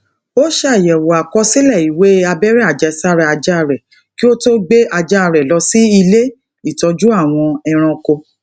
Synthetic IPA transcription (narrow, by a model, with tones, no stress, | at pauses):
o˦ʃe˦a˨jɛ˨wɔ˨a˨kɔ˧˦si˦lɛ˦˨i˨we˦a˧bɛ˦ɾɛ˦a˨d͡ʒɛ˨˧˦sa˦ɾɛ˦˨a˧d͡ʒa˦˨ɾɛ˨ | ki˦o˦to˦ɡ͡be˦ʔa˧d͡ʒa˦a˧˨ɾɛ˨lɔ˧si˦i˧le˦ | i˨tɔ˧d͡ʒu˦a˦˨w̃ɔ̃˧ɛ˧ɾ̃ã˧ko˧